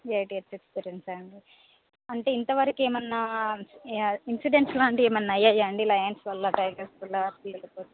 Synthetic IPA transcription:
jejʈiɐt̪ːet̪siɖensɐɳɖi | ɐɳʈe̞ːint̪ɐʋɐɾɐkeːmɐnːɐ | insiɖenslaːɐɳɖieːmɐnːɐɐjːaːjaːɐɳɖilɐjɐnsʋɐlːɐʈɐjɡɐɾsʋɐlːɐp̪ilɐpo

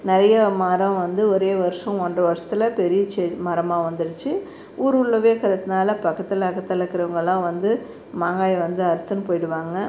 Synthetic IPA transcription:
nɪɾɐjɐmaɾɐ̃ʋɐnd̪ɯɔɾeːʋɐɾɯʂɐ̃ɔɳɖɐʋɐɾʂɐ̥t̪ːɪlɐpɛɾɪjɐt͡ʃɛmɐɾɐmaːʋɐnd̪ɯɽɯt͡ʃːɯ | uːɾʊɭːɐʋeːkɐɾɐt̪ːɯnaːlɐpɐkːɐt̪ːɪlɐkːɐt̪ːɪlɐkːɪɾɐʋɐŋɡɐɭɭãːʋɐnd̪ɯ | maːŋɡaːjʋɐnd̪ɯɐɾɯt̪ːɐnɯpoːjɪɽɯʋaːŋɡɐ

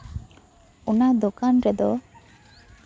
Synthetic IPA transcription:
unad̪okanɾɛd̪ɔ

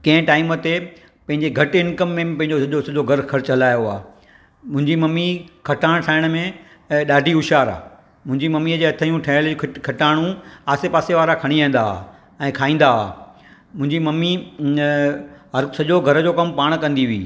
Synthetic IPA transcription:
kɐ̃ɦɪ̃ʈaːɪmət̪e | pɐ̃ɦɪ̃ɲd͡ʑeɡʱɐʈɪnkəmːẽpɐ̃ɦɪ̃ɲd͡ʑosɐʄosɐʄoɡʱɐɾxʰɐɾt͡ɕɦɐlaːjoaː | mʊ̃ɦɪ̃ɲd͡ʑimɐmːikʰɐʈaːɽ̃ʈʰaːɪɽ̃əmẽ | ɗaːɖʱiʊʃaːɾa̰ː | mʊ̃ɦɪ̃ɲd͡ʑimɐmːiəd͡ʑeːɐt̪ʰəjũʈʰɐːlʰkʰɐʈaːɽ̃ũaːsepaːseʋaːɾakʰɐɽ̃iãːn̆d̪a̰ː | ɛ̃ːkʰaːĩːnd̪aa̰ː | mʊ̃ɦɪ̃ɲd͡ʑimɐmːi | ɦɐsɐʄoɡʱɐɾəd͡ʑoːkɐmpaːɽ̃kɐ̃nd̪iʋḭː

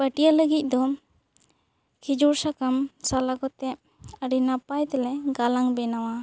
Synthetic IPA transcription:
pəʈijaləɡic̪̚ˀd̪ɔ | kʰid͡ʒuɾsakamsalaɡɔt̪ɛʔ | aɾinapajt̪ɛlɛɡalaŋbɛnawa

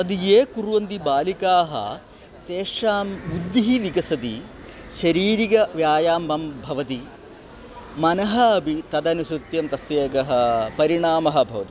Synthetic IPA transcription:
ɐd̪ijeːkuɾʋɐnd̪ibaːlikaːɦɐ̰ | t̪eːʂaːmud̪jiɦiʋiɡɐsɐd̪i | ʃɐɾiːɾiɡɐʋjaːjaːmbɐmbʱɐʋɐt̪i | mɐnɐɦɐɐbʱit̪ɐd̪ɐnusɾut̪jɐmt̪ɐsjeːkɐɦɐ̆pɐɾiɳaːmɐɦɐ̆bʱɐʋɐt̪i

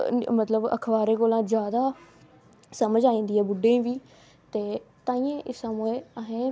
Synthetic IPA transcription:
mət̪ləbə̰kʰbaːɾeːkoːlãːd͡ʒjaːd̪aː | səməd͡ʒaːĩːnd̪iːɛːbʊɖẽĩːʋiː | t̪eːt̪ãːĩːẽːʔɪsaːmːeːəɦẽː

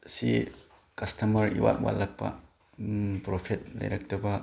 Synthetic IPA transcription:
si | kɐstɐmɐɾḭwa̰t̚wa̰lɐk̚pɐ̰ | pɾopʰet̚lɐ̰jɾɐk̚tɐbɐ

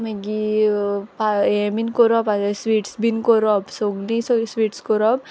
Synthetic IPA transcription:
meɡi | paeminkɔɾɔpadasʋiːʈsbinkɔɾɔpsoɡnisosʋiːʈskɔɾɔp̚

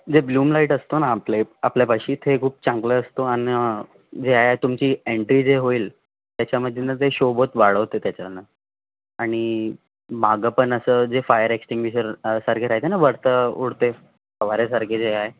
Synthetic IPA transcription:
d͡zebluːmlaiʈəst̪onaːpleapljabəɕiːt̪ʰekʰuːp̚t͡ɕãŋkləəst̪oan | d͡zeaɦeaɦet̪umt͡ɕiːeɳʈɾiːd͡zeɦoiːl | t̪jat͡ɕjaməd̪ʱːenəd͡zeɕobot̪ʋaɭəʋɦot̪et̪jat͡ɕana | aɽ̃i | maɡəpəɳəsəːd͡zefajəɾeksʈiŋɡʋiɕəɾsaɾkʰeɾaɦt̪enaʋəɽt̪əṵɽt̪e | pəʋaɾesaɾkʰed͡zeae

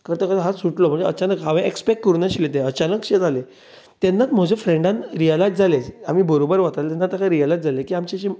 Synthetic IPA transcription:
kəɾt̪əkaɦasuʈlɔm̤ə̃ɳd͡zeət͡ɕanəkɦaʋẽʔekspekːəɾunaɕilet̪ẽət͡ɕanəkɕed͡zale | t̪enːat̪m̤əd͡ʑʱefɾẽɳɖãnɾijəlajtd͡zaled͡zamiːbəɾobəɾʋat̪alet̪ɛnːat̪ːakaɾijəlajtd͡zʱalekiːamt͡ɕeɕi

